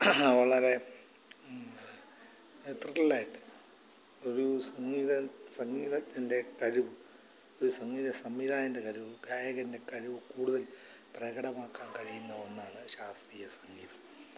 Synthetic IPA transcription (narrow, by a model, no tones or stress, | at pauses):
ʋɐɭɐɾe̞ | t̪riʈːɐlaːjiʈːɨ̥ | o̞ɾusɐŋːiːðɐsɐŋːiːðɐt̪ːinde̞kɐɾuʋɨ | o̞ɾusɐŋːiːðɐsɐmːiːðaːjɐnde̞kɐɾuʋɨɡaːjɐɣɐnde̞kɐɾuʋɨkuːɽuðɐl | prɐɣɐɽɐmaːkːaːnkɐɻijunːɐonːaːɳɨɕaːst̪riːjɐsɐŋːiːðɐm